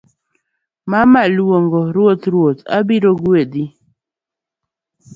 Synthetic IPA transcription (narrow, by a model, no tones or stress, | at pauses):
mamalwoŋɡɔɾwotɾwota̰biɾoɡedi